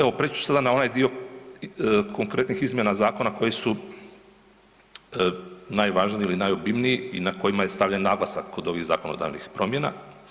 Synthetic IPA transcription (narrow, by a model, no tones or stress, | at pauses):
eʋo̞pɾeːt͡ʃu̥sad̪anao̞najd̪io̞ | ko̞ŋkɾe̞t̪nixizmje̞nazaːko̞nako̞jesu | najʋaːʒniilinajobimniiinako̞jimaje̞st̪aʋʎanːaːɡlasakːod̪o̞ʋiɣza̰ːko̞nod̪a̰ːʋnixpɾo̞mje̞na̰